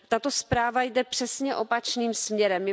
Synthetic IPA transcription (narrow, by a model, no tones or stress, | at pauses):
t̪at̪o̞spɾaːvajdɛpr̥ɛsɲɛʔo̞pat͡ʃniːmsmɲɛɾɛmj